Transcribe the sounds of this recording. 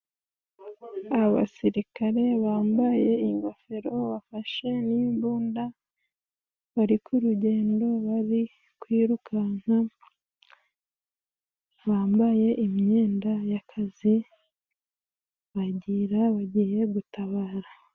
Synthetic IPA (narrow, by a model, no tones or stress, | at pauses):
aβa̰siɾikaɾe̞βaːmbaje̞iŋɡafe̞ɾo̞βafaʃe̞nimbuːnda | βaɾikuɾuɟe̞ːndo̞βaɾi | kwiːɾukʰan̥a | βaːmbaje̞ʔimɲe̞ːndajakʰazi | βaɟiɾaβaɟije̞ɡutaβaːɾa